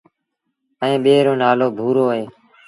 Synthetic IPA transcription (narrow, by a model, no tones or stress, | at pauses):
əẽːɓeːɾoːnaːloːbʱuːɾoːɦeː